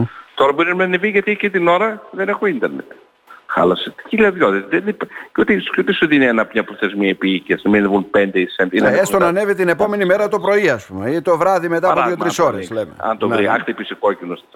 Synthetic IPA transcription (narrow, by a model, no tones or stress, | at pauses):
t̪o̞ɾɐboɾinɐminɐniviʝɐt̪icit̪ino̞ɾɐðenexoind̪eɾnet̪ | xɐ̰lɐset̪i̥ciʎɐðʝoðesðenpcot̪iot̪isuðinɐnɐpmɲɐpɾoθezmiɐepiicɐsnɐminvunpend̪eisenineest̪onɐne̞vit̪ine̞po̞me̞nime̞ɾɐt̪o̞pɾo̞iɐspumeit̪o̞vɾɐðime̞t̪ɐpoððjot̪ɾiso̞ɾeslemḛɐ̰nt̪ovɾiɐ̰xt̪ipisikocinost̪